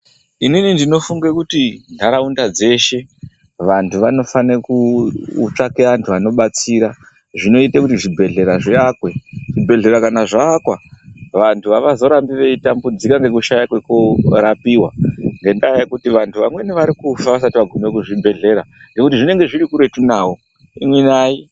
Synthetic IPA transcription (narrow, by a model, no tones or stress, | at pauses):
ininindino̞fuŋɡekutinʱaɾaundad͡ze̞ʃe̞ | ʋantʰuʋano̞fanekuṵt͡ʂakeʋantʰuʋano̞ɓat͡siɾa | ʐino̞itekutiʐibʱe̞ɮe̞ɾaʐeakwe̞ʐibʱe̞ɮe̞ɾakanaʐaːkwaʋantʰuʋaʋazo̞ɾambiʋe̞itambud͡zikaŋɡe̞kuʃajakwe̞koɾapiwaŋɡe̞ndajekutiʋantʰuʋamwe̞niʋaɾikufaʋas̬atiʋaɡʱumekuʐibʱe̞ɮe̞ɾaŋɡe̞kutiʐine̞ŋɡe̞ʐiɾikuɾe̞tunaːwo | imwinaːi